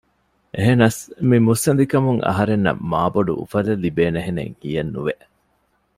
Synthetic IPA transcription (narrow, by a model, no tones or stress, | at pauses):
ʔeɦenɐsmimusːɐnd̪ikɐmuŋɐ̰ɦɐɾenːɐ̰mːaːboɖṵʔṵfɐlɐlːibeːneɦenḛŋkijɐnːṵʋeʔ